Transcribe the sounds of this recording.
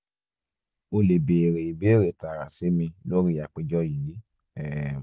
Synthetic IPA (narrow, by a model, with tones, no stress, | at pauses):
o˧le˨be˨ɾe˨i˨be˨˦ɾe˨ta˨ɾa˨si˨˦mĩ˧lo˦ɾi˦ja˨k͡pe˧d͡ʒɔ˦ji˨˦ | ɛ˦˨